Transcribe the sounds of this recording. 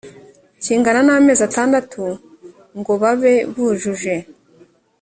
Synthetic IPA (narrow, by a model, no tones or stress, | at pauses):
ciːŋɡananame̞ːzataːndatʰu | ŋɡo̞βaβe̞βuʒuʒe̞